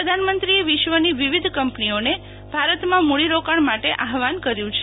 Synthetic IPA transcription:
ɾəd̪ʱanmənt̪ɾieʋɪʃʋəniʋiʋid̪ʱkəmpnione | bʱaɾət̪mãmuɭiɾokaɳmaʈeʔaɦʋankəɾjũt͡ʃʰ

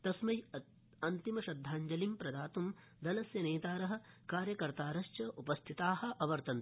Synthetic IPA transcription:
t̪ɐsmɐj | ɐnt̪imɐʃɐd̪ʱːaːɲd͡ʒɐlimpɾɐd̪aːt̪um | d̪ɐlɐsjɐneːt̪aːɾɐɦɐ̆kaːɾjɐkɐɾt̪aːɾɐʃt͡ʃɐʔupɐst̪ʰit̪aːhɐ̆ʔɐʋɐɾt̪ɐn

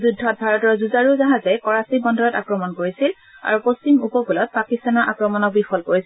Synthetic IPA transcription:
zudʱːɔt̚bʱaɹɔtɔɹzuzaɹuzaɦazɛkɔɹasibɔndʱɔɹɔta̰kɹɔmɔnkoɹisil | a̰ɹupost͡ʃimupɔkulɔt̚pakistanɔɹʔakɹɔmɔnɔk̚bixɔlkoɹis

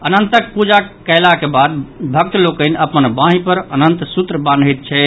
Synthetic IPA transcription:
ənənt̪ək̚pud͡ʒakəlakebad̪̚bʱək̚t̪lokəɪneəpənbãɦĩpəɾənənt̪sut̪ɾəband̪ʱit̪̚t͡ʃʰɛ

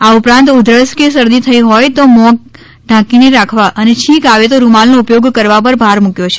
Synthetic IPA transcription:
aupɾãnt̪ʊd̪ʱɾəɭskesəɾd̪it̪ʰəiɦɔjt̪omɔk̚ | ɖʱãkineɾakʰʋaʔənet͡ʃʰĩkaʋet̪oɾumalnoupjoɡkəɾʋapəɾbʱaɾmukjot͡ʃʰe̥

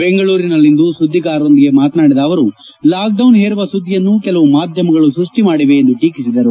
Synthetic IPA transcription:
beŋɡɐɭuːɾinɐlːind̪usud̪ʱːikaːɾɐond̪iɡe̞maːt̪naːɽid̪ɐːʋɐɾu | laːk̚ɖɐwnɦeːɾuʋɐsud̪ʱːijɐnːukɛlɐʋumaːd̪ʱjɐmɐɡɐɭusɾuʂʈimaːɽiʋe̞ːnd̪uʈiːkisid̪ɐɾu

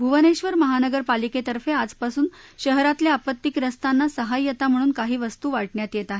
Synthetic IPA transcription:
bʱuʋəneɕʋəɾməɦanəɡəɾpaliket̪əɾfead͡zpasuːnɕəɦɾat̪ljaapət̪ːikɾəst̪anːasəɦajːət̪am̤əɽ̃uːnkaɦiːʋəst̪uːʋaʈɳjat̪jet̪aɦe

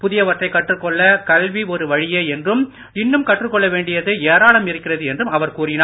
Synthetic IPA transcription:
pʊðɪjɐʋɐʈrɐɪkːɐʈrɯkːɔɭːɐkɐlʋiɔɾɯʋɐɻɪjeːɛndrɯm | ɪnːɯmkɐʈrɯkːɔɭːɐʋeːɳɖɪjɐðɯeːɾaːɭɐmɪɾɯkːɪrɐðɯɛndrɯmɐʋɐɾkuːrɪnaː

